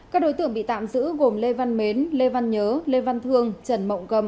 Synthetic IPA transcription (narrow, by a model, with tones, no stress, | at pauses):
kaː˦˥k̚ɗo˨˦jt̪ɨ̰˧˨əŋɓḭ˧˨t̪a̰ː˧˨mzɨ̰˧˥ɣo˨˩mle˧va˧nme˨˦nle˧va˧nɲəː˨˦le˧va˧nt̪ʰɨ˧əŋt͡ɕə˨˩nmə̰˧˨wŋ͡mkə˧˩m